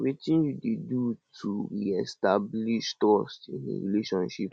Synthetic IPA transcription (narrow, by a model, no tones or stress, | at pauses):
ɹitĩnjudedutʰubiɛstabliʃtɔstḭ̃nḛɹḭleʃɔ̃nʃip